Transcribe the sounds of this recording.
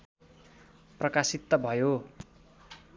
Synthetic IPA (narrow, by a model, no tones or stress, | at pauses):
prʌkasit̪ːʌbʱʌjo